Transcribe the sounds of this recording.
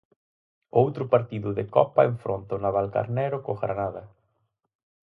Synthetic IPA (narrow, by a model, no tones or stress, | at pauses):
owt̪ɾʊpaɾt̪iðʊðekɔpaeɱfɾont̪onaβalka̰ɾnɛɾʊkoɣɾa̰naða